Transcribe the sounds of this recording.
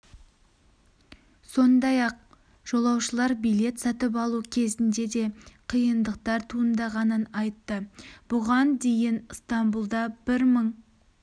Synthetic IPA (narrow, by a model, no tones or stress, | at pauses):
so̞nd̪ɑjɑq̚ | ʒ̥o̞lˠɑwʃəlˠɑɾbijle̞t̪sɑt̪əp̬ɑlˠukʲʰe̞zɪnd̪e̞d̪e̞qʰijənd̪əq̚t̪ɑɾt̪ʰuənd̪ɑʁɑnənɑjt̪ːəb̥ʊʁɑnd̪e̞jɪnst̪ɑmbulˠd̪ɑbɪɾməɴ